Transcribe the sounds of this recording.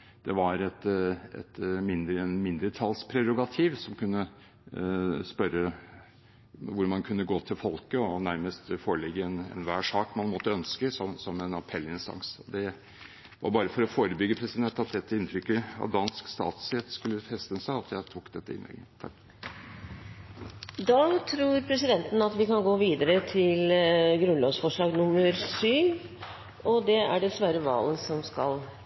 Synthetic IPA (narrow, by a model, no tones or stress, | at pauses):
d̪̥ɛʋɑɾɛt̪ɛ̰t̪mɪnd̪ɾənmɪnd̪ɾət̪ʰɑlspʰɾɛɾʊɡɑt̪ʰiːʋsɔmkʰʉnːə | spœɾːə | ʋʊɾmɑnkʰʉnːəɡoːt̪ʰɪlfɔlkəɔnæɾməst̪foːɾəɭɛɡːəɛnɛ̰nʋæːʂɑːkmɑnmɔt̪ːəœnskəsɔmsɔmɛnɑpʰɛlːɪnst̪ɑ̰ŋsɔd̪ɛ | ʋɑ̰ɾbɑːɾəfɔɾɔfoːɾəbʏɡːəpʰɾɛsɪd̪ɛnt̪ːɑt̪̚d̪ɛt̪ːəɪnt̪ʰɾʏkːəɑ̰t̪d̪ɑnskst̪ɑ̰ːt̪sɛt̪skʉlːəfɛst̪ənsæɪɑt̪ʰjæɪt̪ʰuːkd̪ɛt̪ːəɪ̰nlɛ̰ɡət̪ʰɑk | d̪ɑːt̪ʰɾuːɾpʰɾɛsɪd̪ɛnt̪ənɑt̪ʋɪkɑnɡoːʋiːd̪əɾət̪ʰɪlɡɾʉnlɔːɡsfɔʂɭɑːɡnʊmːəɾsyː | ɔd̪ɛæɖɛsʋæːɾəʋɑ̰ːlənsɔmskɑl